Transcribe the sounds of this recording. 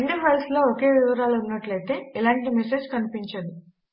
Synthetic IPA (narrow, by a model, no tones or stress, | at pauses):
ɳɖipɐjlsloːoke̞ːʋiʋɐɾaːluunːɐʈlɐjt̪e̞ːilaːɳʈimese̞ːd͡ʒkɐnipiɲt͡ʃɐd̪i